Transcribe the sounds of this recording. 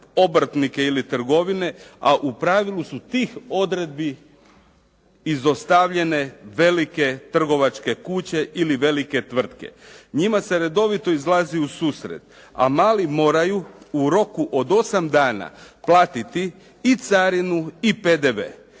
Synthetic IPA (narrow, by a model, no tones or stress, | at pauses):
o̞bɾ̩t̪nikeilit̪r̩ɡo̞ʋine̞aʔupɾaʋilusut̪iːxo̞d̪ɾe̞d̪̚bi | izo̞st̪aʋʎe̞ne̞ʋe̞like̞t̪r̩ɡo̞ʋat͡ʃke̞kut͡ɕe̞ʔiliʋe̞like̞t̪ʋr̩t̪ke̞̰ɲimase̞ɾe̞d̪o̞ʋit̪o̞izlˠaziusuːsɾḛt̪ | a̰maːlimo̞ːɾajuuɾo̞kuʔod̪o̞samd̪aːna̰plˠaːt̪it̪iː | t̪saɾinuipe̞d̪eʋḛː